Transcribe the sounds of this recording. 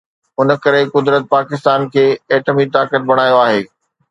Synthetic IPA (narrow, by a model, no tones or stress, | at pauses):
ʊnə̆kɐɾekʊd̪ɾət̪̚paːkɪst̪aːnkʰeːeːʈəmit̪aːkət̪̚bɐɽ̃aːjoaːɦeː